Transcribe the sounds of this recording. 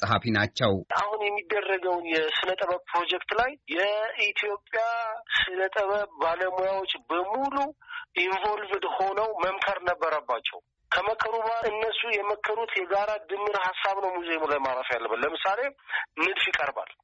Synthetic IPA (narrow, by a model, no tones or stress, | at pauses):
sʼɦafinat͡ʃːɛwʔahunjɛmːid̪ːərːəɡəwnjɛsɨnət̪ʼəβəpʰɾo̞d͡ʒɛkt̪lajːɛit̪ʰjo̞pʼjasɨnət̪ʼəβəbbaləmujawo̞t͡ʃʼːbəmuluʔiɱvo̞lvd̪ho̞nəwməmkʰəɾnəbːəɾəbːat͡ʃːɛ̰w | kʰəməkʰːəɾuβaɨnːəsːujɛməkʰːəɾut̪jɛɡaɾad̪ɨmːɨɾhasːaβnəwmuzemlajmaɾafjalːəβalːəmɨsale̞mɨd̪fjikʼəɾba̰l